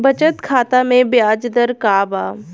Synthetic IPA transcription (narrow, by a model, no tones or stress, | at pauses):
bɐt͡ʃət̪kʰaːt̪amẽbjaːd͡ʒd̪əɾkaːbaː